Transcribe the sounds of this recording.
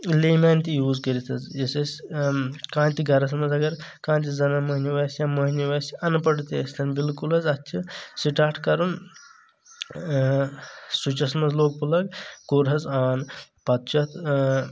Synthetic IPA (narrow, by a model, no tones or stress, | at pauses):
leːmaːnt̪ijuːzkəɾit̪ʰɐzjɐsɐsʲ | kãːnt̪iɡɐɾɐs̬mɐzɐɡɐɾkãːnt̪izɐnɐmɐɦniʋɐsjamɐɦniʋɐsʲɐnpɐɽut̪eɐsʲt̪ɐnbilkulɦɐzɐtt͡ʃʰisiʈaːʈkɐɾun | sut͡ʃɐsmɐzloːk̚pulɐkkoːɾɦɐzaːn | pɐt̪̚t͡ʃʰɐt̪ʰ